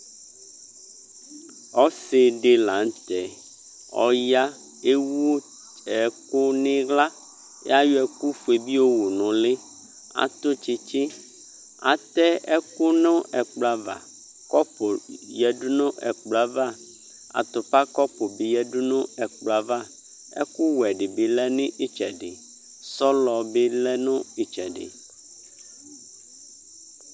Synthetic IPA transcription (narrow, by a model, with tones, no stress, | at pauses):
ɔ˦se˨ɖe˦la˨n˦t̪ɛ˨ | ɔ̰˨ja˦ | e˦wo˦ | ɛ˨ko˦nẽ˦ɡla˦ | ɛ̰˦a˦jo˦ɛ˨ku˦fu˨e˨bi˦wo˦wo˨nɔ̃˨le˦ | a̰˨t̪o˦t͡ʃe˨t͡ʃe˦ | a̰˨t̪ɛ˦ɛ˦ko˦nɔ̃˦ɛ˨k͡pla˨va̰˨ | kɔ˦po˨jɛ˨ɖu˦nɔ̃˦ʔɛ̰˨k͡pla˨va˦˨ | a̰˨t̪o˨pa˦kɔ˦po˨be˨jɛ˦ɖu˦nɔ̃˦ɛ˨k͡pla˨va˦ | ɛ̰˦ku˦wɛ˨ɖe˨be˨lɛ˦nẽ˦ʔi˦t͡ʃɛ˨ɖḛ˨ | sɔ˦lɔ˨be˦lɛ˦nɔ̃˦i˦t͡ʃɛ˨ɖḛ˨